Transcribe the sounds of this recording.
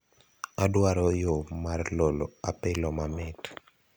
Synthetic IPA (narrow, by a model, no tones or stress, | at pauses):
adwaɾɔjomarloloapɪlɔmamɪt